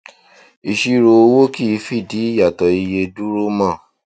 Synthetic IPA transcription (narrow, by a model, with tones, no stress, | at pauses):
i˨ʃi˧ɾo˧o˧wo˦ki˦i˨˧˦fi˦˨di˨˦i˦˨ja˨tɔ˨i˧je˧du˦ɾo˦mã˦˨